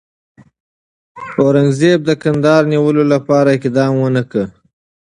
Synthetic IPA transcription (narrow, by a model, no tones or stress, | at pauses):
oɾaŋɡzeb̚d̪əkand̪ɑɾniwəlolapɑɾaɪkd̪ɑmwənəkə